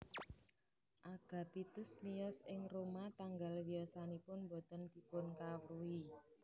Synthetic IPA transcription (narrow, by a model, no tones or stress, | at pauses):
ʔaɡ̥ä̤pit̪ʊsmijɔsɪŋromat̪aŋɡalwiasanipʊnmbɔ̤t̪ənd̪ipʊnkawɾui